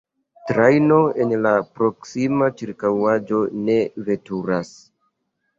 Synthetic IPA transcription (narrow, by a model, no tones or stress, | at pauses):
tɾajno̞e̞nlapɾo̞ksimat͡ʃiɾkawad͡ʒo̞ne̞ve̞tuɾas